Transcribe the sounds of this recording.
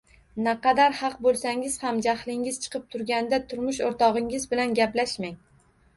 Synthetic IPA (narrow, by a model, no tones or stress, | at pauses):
naqʰɑd̪aɾhɑq̚bolˠsaŋɪz̥hamd͡ʒahlɪŋɪz̥t͡ʃʰɨ̥qʰɨp̚t̪ʰʊɾɡʲand̪at̪ʰʊɾmʊʃoɾt̪ʰɒʁɪŋɪzbɪlanɡʲaplaʃmaŋ